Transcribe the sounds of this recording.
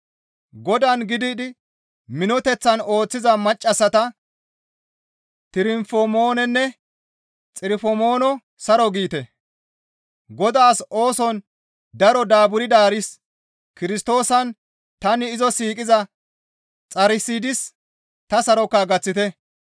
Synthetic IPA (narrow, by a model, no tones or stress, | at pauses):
ɡɔd̪ɐnɡɪd̪ɪd̪ɪ | mɪnɔt̪ɛt͡sːɐno̞ːt͡sːɪzɐmɐt͡ʃʼːɐsːɐt̪ɐ | t̪ɪɾɪmfɔmo̞ːnɛnːɛ | t͡sʼɪɾɪfɔmo̞ːnɔ | sɐɾɔɡiːt̪ɛ | ɡɔd̪aːso̞ːsɔn | d̪ɐɾɔd̪aːbʊɾɪd̪aːɾɪs | kɪɾɪst̪o̞ːsɐn | t̪ɐnɪːzɔsiːkʼɪzɐ | t͡sʼɐɾɪsiːd̪ɪs | t̪ɐsɐɾɔkːɐɡɐt͡sːɪt̪ɛ